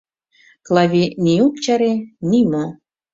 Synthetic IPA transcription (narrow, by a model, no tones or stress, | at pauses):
klɑvʲiniuk̚t͡ɕɑɾenimo